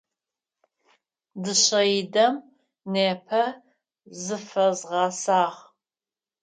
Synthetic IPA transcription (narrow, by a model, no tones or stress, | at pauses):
dɨɕɐjdɐm | neːpʰɐ | zɨfɐzʁɑsaːʁ